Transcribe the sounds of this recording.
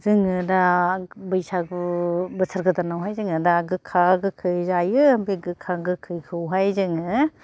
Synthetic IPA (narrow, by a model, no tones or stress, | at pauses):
zɯŋɯdabɯjsaɡbɯsʰaɾɡɯt̪anawɦajzɯŋɯdaɡɯkʰaɡɯkʰɯjzajɯbeɡɯkʰaɡɯkʰɯjkʰɯwɦajzɯŋɯ